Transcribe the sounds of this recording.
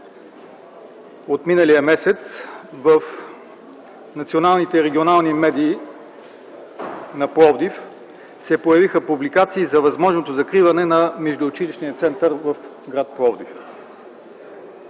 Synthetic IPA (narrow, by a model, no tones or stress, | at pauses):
ot̪minəlijəmɛsɛt̪svəf | nɐt̪sionalˠnit̪ɛɾɛɡʲionalˠnimɛd̪iː | nɐpɾɔvd̪if | sɛpojɐvixəpublikat̪siːzɐvɐzmɔʒnot̪ozɐkɾivɐnɛnɐmɛʒd̪oːt͡ʃiliʃnijət̪sɛnt̪əɾvɐf | ɡɾat̪̚pɾɔvd̪if